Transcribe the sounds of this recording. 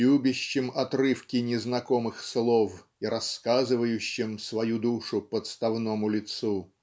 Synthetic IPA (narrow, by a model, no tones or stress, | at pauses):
ubʲɪɕːɪmɐt̪rɨfkʲɪnʲɪznɐkomɨxslˠof | iɾɐskazɨvəjʉɕːɪmsvɐjud̪uʂʊpət̪st̪ɐvnomʊlʲɪt̪su